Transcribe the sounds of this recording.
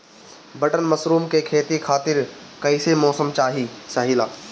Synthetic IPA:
bʱɐʈənmɐsɾuːmkekʰeːt̪ikʰaːt̪ɪɾ | kɐisemɔːsəmt͡ʃaːɦiːsaːɦilaː

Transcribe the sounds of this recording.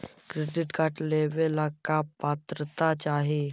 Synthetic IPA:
kɾeɖiʈɡʱaʈleʋelakapat̪ɾət̪at͡ɕaɦe

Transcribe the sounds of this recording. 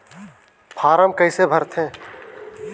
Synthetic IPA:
pʰaːɾəmkɐɪsebʱəɾt̪ʰɦẽː

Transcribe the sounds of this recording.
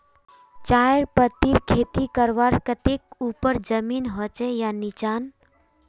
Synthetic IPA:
t͡ʃajɾpət̪iɾkʰet̪ikəɾʋaɾkət̪ekupəɾd͡ʒəminɦɔt͡ʃɛjanit͡ʃan

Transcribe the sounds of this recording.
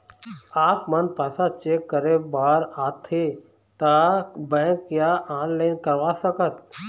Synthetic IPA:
aːpmənpaːsat͡ʃeːkːəɾebaːɾaːt̪ʰe | t̪abɛ̃ːkjaaːnlaɪnkəɾʋasəkət̪

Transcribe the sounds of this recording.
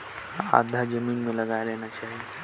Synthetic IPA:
a̰d̪ʱːad͡ʑəmiːnmeləɡajleñat͡ɕaɦi

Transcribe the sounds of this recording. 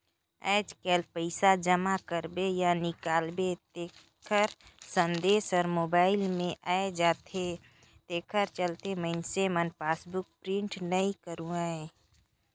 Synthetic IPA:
a̰ːd͡ʒkɛlpəɪsad͡ʒəmakəɾbejanɪkaːlbet̪e | kʰəɾsə̃nd̪eːsɔːɾmoːbaːɪlmẽʔaːed͡ʒaːt̪e | t̪eːkʰəɾt͡ʃəlt̪eməɪnsemənpaːsbʊk̚pɾɪ̃ɳʈnəĩkəɾũaɛ̃ː

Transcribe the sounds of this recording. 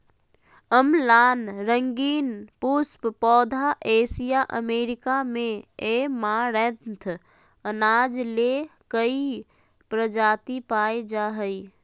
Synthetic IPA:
əmlaːnɾə̃ŋɡiːnpʊsppɔːd̪ʱaʔeːsijaʔəmeːɾɪkamẽeːmaɾẽt̪ʰ | ənaːd͡ʒlekəi | pɾəd͡ʒaːt̪ipaːed͡ʒaːɦəi

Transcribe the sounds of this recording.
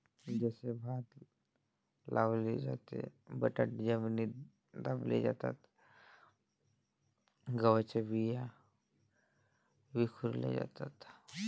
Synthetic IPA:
d͡ʒɛːsebʱaːt̪ | lʔaːbled͡ʒa̰t̪ḛbəʈəʈd͡ʒəmni | d̪aːblḛd͡ʒa̰ːt̪a̰t̪ʰ | ɡəwət͡ʃəbija | bikʰuɾlḛd͡ʒa̰ːt̪at̪ʰ

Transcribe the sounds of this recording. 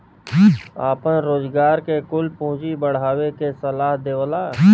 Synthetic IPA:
aːpənɾoːzɡaːɾkekʊlpõːt͡ʃibəɽ̤aːwekesɐlaːɦd̪eːlaː

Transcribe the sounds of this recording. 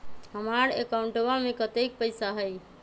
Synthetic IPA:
ɦəmaɾḛkaʊ̃ɳʈəbamekət̪ek̚pəɪsaɦəj

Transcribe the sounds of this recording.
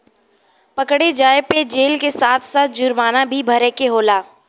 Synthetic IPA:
pɐkɽed͡ʒaːeped͡ʒeːlkesaːt̪ʰsaːt̪̚ʰd͡ʒʊɾmaːnabʱibʱɐɾekeɦoːlaː

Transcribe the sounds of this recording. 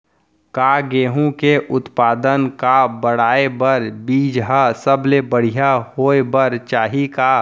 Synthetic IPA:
kaːɡeːɦũkeʔʊt̪paːd̪ənkabəɽ̤aːebəɾbiːd͡ʒɦasəblebəɽ̤ijahoːebəɾt͡ʃaːɦikaː

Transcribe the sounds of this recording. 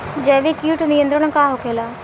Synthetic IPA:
d͡ʒɛːʋiːkiːʈnɪjə̃nd̪ɾənãkaːɦokʰeːlaː

